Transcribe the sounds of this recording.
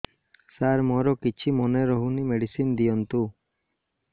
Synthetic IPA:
saɾmɔɾɔkit͡ʃʰimɔneɾɔɦunimeɽisind̪ijɔnt̪u

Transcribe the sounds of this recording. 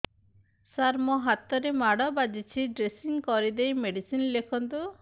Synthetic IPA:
saɾmɔɦat̪ɔɾemaɽɔbad͡ʒit͡ʃʰiɖɾesiŋkɔɾid̪ejmeɖisinlekʰɔnt̪u

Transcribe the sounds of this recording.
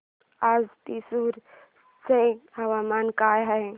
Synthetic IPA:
azt̪isuɾ | seawamankajɦəj

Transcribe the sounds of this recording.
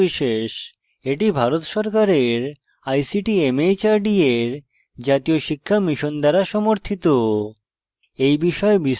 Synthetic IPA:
iʃeʃ | eʈibʱaɾot̪ʃɔɾkaɾeɾ | ajsiʈiemejt͡ɕaɾɖieɾ | d͡ʑat̪ijoʃikʰːamiʃond̪ɛɾaʃɔmoɾt̪ʰit̪o | ejbiʃɔebi

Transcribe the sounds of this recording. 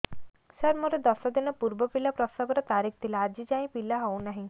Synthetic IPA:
saɾmɔɾed̪ɔsɔd̪inɔpuɾbɔpilapɾɔst̪abɔɾɔt̪aɾik̚ʰt̪ʰilaːd͡ʒid͡ʒaĩpilaɦownaɦĩ

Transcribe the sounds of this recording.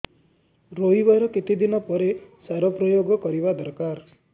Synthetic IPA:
ɾoibɔjɾɔkit̪id̪inɔpɔɾesaɾɔpɾɔjoɡɔkɔɾibad̪ɔɾkaɾ

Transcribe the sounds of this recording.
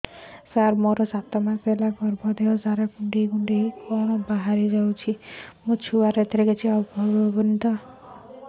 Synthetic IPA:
saɾmɔɾɔsat̪ɔmapelaɡɔɾbʱɔd̪eɔsaɾakuɳɖikuɳɖikɔnɔbaɦaɾid͡ʒawt͡ʃʰimut͡ʃʰuaɾet̪ʰɾeket͡ʃʰiɔbbɔbɔbɔnt̪ɔ

